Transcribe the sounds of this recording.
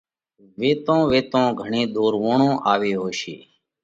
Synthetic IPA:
ʋeːt̪õːʋeːt̪õːɡʱəɳẽːɗ̪oːɾʋõːɳõːʔaːʋeːɦoːʃḛː

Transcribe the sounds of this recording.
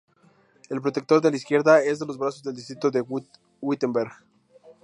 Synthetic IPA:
e̞lpɾo̞t̪ek̚t̪o̞ɾðe̞laiskje̞ɾðae̞zðe̞lo̞zβɾasozðeld̪ist̪ɾit̪oðe | wit̪embeɾɣ

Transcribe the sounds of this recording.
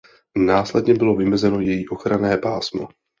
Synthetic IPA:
naːslɛdɲɛbɪlo̞vɪmɛzɛno̞jɛjiʔo̞xɾanɛːpaːsmo̰

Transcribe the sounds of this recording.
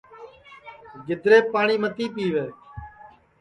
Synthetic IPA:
ɡɪd̪ɾeːpaːɳiːmət̪iːpiːʋeː

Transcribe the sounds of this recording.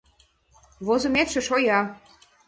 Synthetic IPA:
βozə̆met̪ʃĕʃojɑ

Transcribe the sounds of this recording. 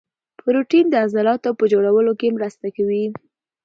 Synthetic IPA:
pʰəɾuʈind̪əazalɑt̪awpəd͡ʒoɽawəlokemɾəst̪akawi

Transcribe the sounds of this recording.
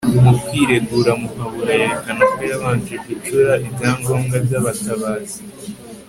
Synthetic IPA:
umupiːɾe̞ɡuɾamuhaβuɾaje̞ɾekanakojaβaːnt͡ʃekut͡ʃuɾaʔibjaːŋɡoːŋɡabɟaːβataβaːzi

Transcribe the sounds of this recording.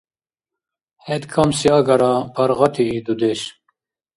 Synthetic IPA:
het̪kʰɐmsiɐɡɐɾapʰɐɾʁɐt̪ʰiːd̪ud̪eɕ

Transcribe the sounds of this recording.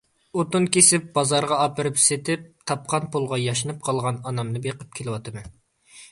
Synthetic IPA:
ot̪unkʲesɪp̚b̥ɑzɑɾʁɑɑpɨɾɨpset̪ɪp̚t̪ʰɑp̚qʰɑnpulˠʁɑjɑʃɨnɨp̚qʰɑlˠʁɑnɑnɑmnɨbeqəp̚kʲʰelɪwɑt̪ʰɨmɨ

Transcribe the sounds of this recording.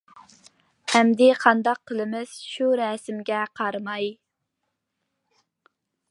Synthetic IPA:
ɛmd̪ɪqʰɑnd̪ɑqʰːəlˠɨmɪz̥ʃuɾɛsɪmɡʲɛqʰɑɾɨmɑj

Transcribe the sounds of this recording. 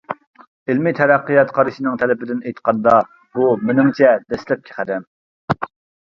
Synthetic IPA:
ɪlmit̪ʰɛɾæqːijɑt̪qʰɑɾɨʃinɨŋt̪ʰɛlɪbɪd̪ɪnejt̪qʰɑnd̪ɑ | bumɪnɪŋt͡ʃʰɛd̪ɛslɛp̚kʲʰe̥χæd̪ɛm

